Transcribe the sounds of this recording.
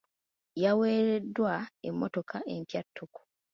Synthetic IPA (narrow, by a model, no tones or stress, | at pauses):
jaweːɾedːwaḛmːoto̞kʰaʔe̞mpjatʰːoku̥